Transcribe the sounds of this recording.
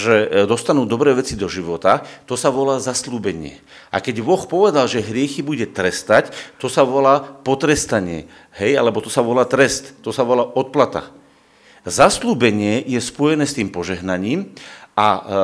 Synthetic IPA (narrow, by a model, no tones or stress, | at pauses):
ʒɛd̪ɔst̪anuːd̪ɔbɾɛːʋɛt͡sid̪ɔʒiʋɔt̪at̪ɔsaʋɔlaːzasluːbɛɲɪɛ̰ | ʔa̰kɛɟʋɔxpɔʋɛd̪alʒɛɦɾɪɛxibuɟɛt̪ɾɛst̪act̪ɔsaʋɔlaːpɔt̪ɾɛst̪aɲɪɛ̰ | hɛjalɛbɔt̪ɔsaʋɔlaːt̪ɾɛst̪ːɔsaʋɔlaːʔɔt̪̚plat̪a̰ | zasluːbɛɲɪɛjɛspɔjɛnɛːst̪iːmpɔʒɛɦnaɲiːma